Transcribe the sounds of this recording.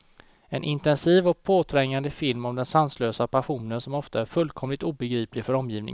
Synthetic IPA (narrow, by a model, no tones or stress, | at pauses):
ɛnʔɪnt̪ɛnsiːvɔk̚pʰoːt̪ʰɾɛŋːand̪əfɪlmɔmd̪ɛnsansløːsapʰaɧuːnənsɔmɔft̪aæɾfɵlkʰɔmlɪt̪uːbɛɡɾiːplɪɡfœɾɔmjiːvnɪ̰ŋ